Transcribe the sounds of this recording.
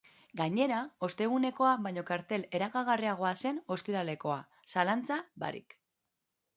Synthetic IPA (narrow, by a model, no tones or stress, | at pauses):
ɡaɲe̞ɾao̞st̪e̞ɣ̞une̞ko̞aβajɲo̞kaɾt̪e̞le̞ɾaɣaɣ̞ariaɣ̞o̞ase̞no̞st̪iɾale̞ko̞a̰ | salant͡saβa̰ɾḭk